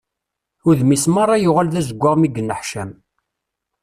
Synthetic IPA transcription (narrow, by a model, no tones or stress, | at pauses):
ʊɾðmismɑɾˤːɑjʊʁalðæzəɡʷːaʁmiɡːənːəħʃæm